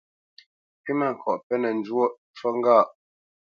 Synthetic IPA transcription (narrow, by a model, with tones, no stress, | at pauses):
pi˦ma˦˨ŋ̩˨kʰɔ˨ʔpɛ˦nə˨n˦d͡ʒwo˦ | t͡ʃɔ˦ŋ˦ɡaː˦˨ʔ